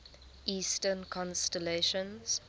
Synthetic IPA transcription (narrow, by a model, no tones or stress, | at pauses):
ʔiːstənkʰɔ̃nstəleʃə̃nz̥